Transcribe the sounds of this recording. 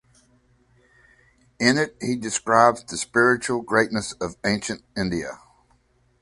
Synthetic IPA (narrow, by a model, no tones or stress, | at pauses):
ɪ̃nɪt̚hidɨskɹaɪbzðɨspɪɹɨt͡ʃul̩ˠɡɹeɪtⁿnɨsʌvẽɪ̃nʃɨ̃nt̚ɪ̃ndiɨ̰